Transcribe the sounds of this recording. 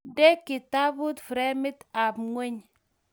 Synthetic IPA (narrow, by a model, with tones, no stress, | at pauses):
de˦ki˨ta˦bu˦tfɾe˦mi˦ta˨pŋʷe˦ɲ